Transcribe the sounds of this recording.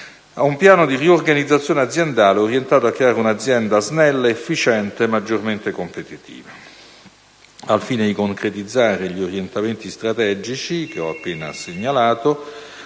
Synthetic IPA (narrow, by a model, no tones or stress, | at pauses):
aumpjaːnod̪iriorɡanid̪zːat̪sjoːnead̪zjend̪aːleɔɾjent̪aːt̪oakːɾeaːɾeunad̪zːjɛnd̪aznɛlːaefːit͡ʃɛnt̪emad͡ʒːorment̪ekompet̪it̪ḭːva | alfiːned̪ikoŋkɾet̪id̪zːaːɾeʎioɾjent̪ament̪ist̪ɾat̪ɛːd͡ʒit͡ʃikeɔapːeːna̰seɲːalaːt̪o